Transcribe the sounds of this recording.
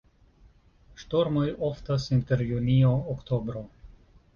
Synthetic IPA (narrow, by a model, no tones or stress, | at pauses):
ʃto̞ɾmojoftasinte̞ɾjunioːkto̞bɾo̞